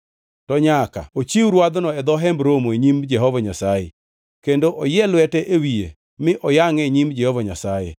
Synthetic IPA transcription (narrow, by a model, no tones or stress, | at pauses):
tɔɲaka̰ot͡ʃiwɾwad̪nɔɛd̪ɔɦɛmbɾomoeɲimd͡ʒɛɦɔvaɲasajḛ | kendoʔɔjɛlwɛtɛʔewie | mɪʔɔjaŋeɲimd͡ʒɛhɔvaɲasajḛ